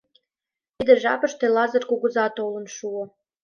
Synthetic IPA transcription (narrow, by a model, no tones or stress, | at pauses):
t̪id̪eʒɑpə̆ʃt̪elɑzərkuɣə̆zɑt̪olə̆nʃuŏ